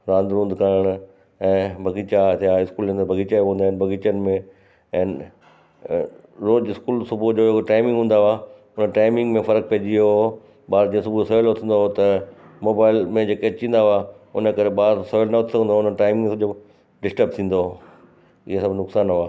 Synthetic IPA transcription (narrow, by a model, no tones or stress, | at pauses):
ɾãːnd̪ɾũːnd̪kaɾəɽ̃ | ɛ̃ːbʱɐɡiːt͡ɕat̪jãɪskuːlẽnd̪əɾbʱɐɡiːt͡ɕaɦũːnd̪aːɪnbʱɐɡiːt͡ɕənɪ̆mẽ | ɛ̃ːnɪ | ɾoːd͡ʑɪskuːlsʊbʱud͡ʑoːekoʈaːɪmɪ̃ŋɡɦũːn̆d̪aaː | ʊnəʈaːɪmɪ̃ŋɡmẽfɐɾək̚peɦd͡ʑiɦo | ɓaːɾd͡ʑẽːsʊbʱusɔjlʊt̪ʰə̃nd̪oɦot̪ɐmoːbaːɪlmẽd͡ʑeːkeɐt͡ɕĩːn̆d̪aɦaːʊnəkɐɾeɓaːɾsɔjlnɐʊt̪ʰsəɡə̃nd̪oʊnənʈaːɪmɪ̃ŋsɐbd͡ʑo | ɖɪsʈəɾb̚t̪ʰĩːn̆d̪o | ɪɦesɐbʱnʊksaːnɦoaː